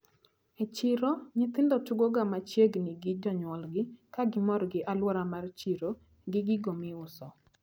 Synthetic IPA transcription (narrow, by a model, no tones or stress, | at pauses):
et͡ʃɪɾoɲɪt̪ɪndɔtuɡoɡamat͡ʃjeɡnɪɡɪd͡ʒɔɲwɔlɡɪkaɡɪmɔɾɡɪʔalwɔɾamart͡ʃiɾo | ɡɪɡɪɡomɪʊsɔ